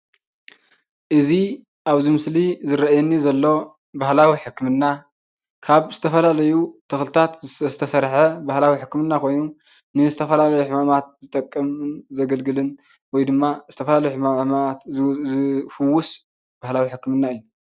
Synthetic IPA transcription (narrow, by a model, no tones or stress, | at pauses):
ʔɨzi | ʔaβzimɨslizɨɾɐajɛnːizɐlːo̞ | bahlawiħɨkːmɨnːa | kʰaβzɨt̪ʰɐfɐlalɐjut̪ʰɨxlɨt̪ʰat̪zɨt̪ʰɐsɐɾħɐbahlawiħɨkːmɨnːakʰo̞jnu | nɨzɨt̪ʰɐfɐlalɐjuħɨmamat̪̚zɨt̪ʼɐkʼːɐmɨnzɐɡɐlɡɨlɨn | wɔjd̪ɨmːazɨt̪ʰɐfɐlalɐjuħɨmamaat̪zɨfɨwːʊs | b̥ahlawiħɨkːɨmɨnːaɨjːu